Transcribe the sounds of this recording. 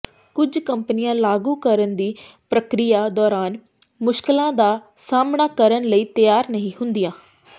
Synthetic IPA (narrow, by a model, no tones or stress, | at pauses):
kʊd͡ʒkəmpənɪjãːlaːɡuːkəɾənd̪iːpɾəkɾijaːd̪ɔːɾaːn | mʊʃkɪlãːd̪aːsaːmɳaːkəɾənləiːt̪əjaːɾnəɦĩːhʊ̃nd̪ɪjãː